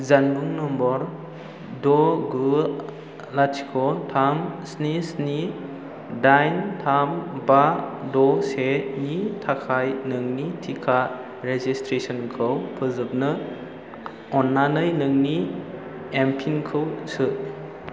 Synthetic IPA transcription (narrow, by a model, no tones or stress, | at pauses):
zanbuŋnɔmbɔɾ | dɔɡɯ | latʰi̥kʰɔtʰamsnisni | dajntʰambadɔsenitʰakʰajnɯŋnitʰikʰa | ɾezistɾesɔnkʰɯwpʰɯzɯp̚nɯ | ɔnːanɯjnɯŋni | empʰinkʰɯwsɯ